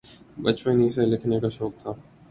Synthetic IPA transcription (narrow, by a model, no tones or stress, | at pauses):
bət͡ʃmẽniːselɪkʰnekaːʃoːk̚t̪ʰaː